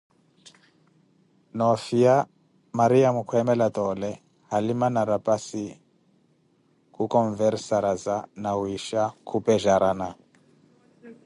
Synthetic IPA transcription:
nɔfia | maɾiamukʰwɛmɛlatɔlɛ | halimanaɾapʼasi | kukɔɱvɛɾsaɾazanawiʃakʰupɛʒaɾana

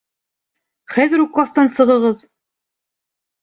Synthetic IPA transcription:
χæðɘ̆ɾuqːˠɑst̪ɑnsɤ̆ʁɤ̆ʁɤð

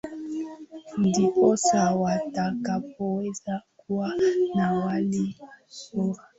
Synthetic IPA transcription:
n̩diosawatakapɔezakuanawalisoa

